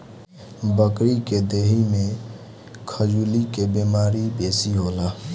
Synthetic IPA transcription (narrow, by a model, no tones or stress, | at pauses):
bəkɾiked̪eːɦimẽ | kʰəd͡ʒuːlikebemaːɾibeːsiɦola